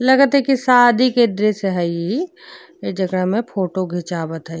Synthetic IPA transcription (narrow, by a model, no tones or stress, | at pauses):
lɐɡət̪ɦɛkisaːd̪ʱiked̪ɾeseɦəi | ek̚d͡ʒəɡɾəɦmẽpʰoːʈoɡʱet͡ʃaːbət̪ɦə